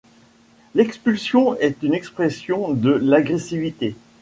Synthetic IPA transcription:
lɛkspylsjɔ̃ɛt̪ynɛkspχɛsjɔ̃d̪əlaɡʁesivit̪e

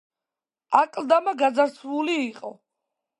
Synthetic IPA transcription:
akʼld̪amaɡad̪zaɾsʰvuliːqʼɔ̰

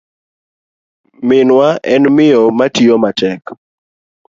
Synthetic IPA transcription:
mɪnwaʔɛnmɪomatiomatɛk

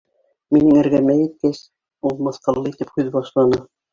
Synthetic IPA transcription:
minɘŋæ̆ɾɡæmæjit̪̚kæs | ulˠmɤ̆θqɤ̆lˠːɤit̪ɘphʉðbɑʃlˠɑnɤ

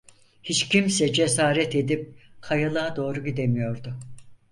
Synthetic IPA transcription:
hit͡ʃcʰimsɛd͡ʒesaːɾɛt̪e̞d̪ip̚kʰajalˠaad̪o̞ːɾuɟid̪e̞mijo̞ɾd̪ʊ

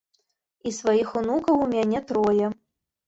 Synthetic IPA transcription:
isvajixunukɐwumʲanʲɛt̪ɾɔjɛ

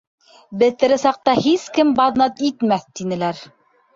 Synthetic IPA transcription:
bɘ̆t̪ɘ̆ɾɘsɑq̚t̪ɑhiskɘmbɑðnɑt̪it̪mæθt̪inɘ̆læɾ

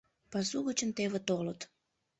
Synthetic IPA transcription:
pɑsuɣət͡ɕənt̪eβet̪olət̪

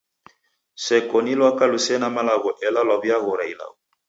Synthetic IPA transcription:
sɛkɔnilwakalusɛnamalaɣɔʔɛlalwabjaɣɔɾaila̰ɣɔ

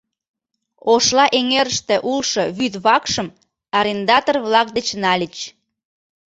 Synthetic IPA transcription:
oʃlɑʔeŋeɾəʃt̪ĕʔulʃoβyt̪βɑkʃəm | ɑɾʲend̪ɑt̪orβlɑk̚d̪ət͡ɕnɑlʲət͡ɕ

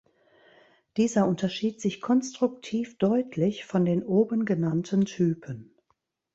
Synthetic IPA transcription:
d̥iːzɐʔʊntɐʃiːtz̥ɪçkʰɔnstʁ̥ʊktʰiːfd̥ɔʏtʰlɪçfɔndeːnʔoːbənɡənantʰəntʰyːpʰən

